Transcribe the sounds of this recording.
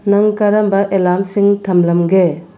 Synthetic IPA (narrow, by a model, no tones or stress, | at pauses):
nɐŋkɐɾɐmbɐʔelamsiŋtʰɐmlɐmɡe